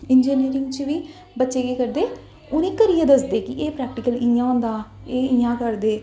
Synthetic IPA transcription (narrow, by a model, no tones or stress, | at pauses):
ɪnd͡ʒiːniːɾɪ̃ŋɡt͡ʃʋiː | bətːʃeːkeːkəɾd̪eː | ʊnẽːkəɾijãːd̪əsd̪eːkɪʔeːpɾɛːk̚ʈɪkəlĩːãːʊ̃nd̪aː | eːiːãːkəɾd̪eː